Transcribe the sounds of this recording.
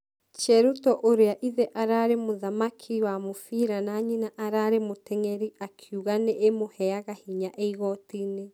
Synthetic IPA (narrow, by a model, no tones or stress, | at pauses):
t͡ʃɛɾutɔʔoɾeaʔiðɛʔaɾaɾemoðamakʰiwamofiɾanaɲinaʔaɾaɾemotɛŋɛɾiakʰjuɣanɛʔemohɛaɣahiɲaʔeiɣɔtine